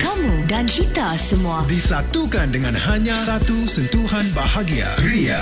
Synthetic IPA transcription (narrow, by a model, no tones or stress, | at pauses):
kamũdankit̪asəmuadisat̪ukandəŋãnhaɲãsat̪usənt̪uɦanbahaɡia̰əɾia